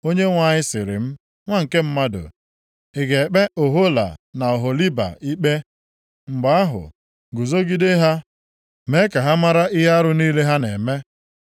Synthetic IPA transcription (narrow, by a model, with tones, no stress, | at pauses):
o˦ɲe˦ŋʷa˨ɲɪ˦sɪ˨ɾɪ̰˨m̩˦ | ŋʷa˦ŋ̩˨ke˦m̩˦ma˦dʊ̰˨ | ɪ˨ɡe˨k͡pe˦ʔo˨ɦo˦la̰˨na˨ɔ˨ɦo˨li˦ba̰˨i˦k͡pe˦ | ŋ͡m̩˨ɡ͡ba˨a˦ɦʊ̰˨ | ɡʊ˨zo˦ɡi˦de˦ɦa˦ | me˦ka˨ɦa˦ma˦ɾa˦ɪ˦ɦa˦ɾʊ˦niː˦le˦ɦa˦nḛ˨me˦